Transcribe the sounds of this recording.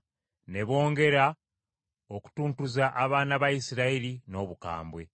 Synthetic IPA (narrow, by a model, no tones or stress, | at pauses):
ne̞βo̞ːŋɡe̞ɾa | o̞ku̥tuːntuzaʔaβaːnaβajisiɾailino̞ːβuka̰ːmbwe̞